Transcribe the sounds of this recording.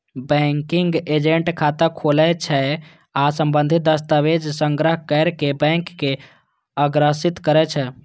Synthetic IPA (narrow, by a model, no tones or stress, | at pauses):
bɛ̃ŋkiŋɡed͡ʒeɳʈkʰat̪əkʰolɛt͡ʃʰɛ | asəmbənd̪ʱit̪̚d̪əst̪aʋed͡ʒsəŋɡɾəɦkəɾkebɛ̃ŋkːe | əɡɾəsit̪kəɾɛt͡ʃʰɛ